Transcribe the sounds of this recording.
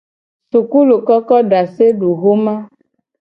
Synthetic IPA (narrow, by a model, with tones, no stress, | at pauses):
su˨ku˦lo˨kɔ˦kɔ˦ɖa˨se˦ɖu˨ɣo˦mã˦